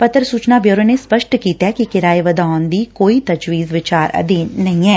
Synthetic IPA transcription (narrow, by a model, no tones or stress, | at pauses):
pət̪ɾsuːt͡ʃnaːbjoːɾənespəʃʈkiːt̪ɛɛkikɪɾaːeʋəd̪aːʊnd̪iːkoːit̪əd͡ʒʋiːzʋɪt͡ʃaːɾə̰d̪inɐɦĩɛː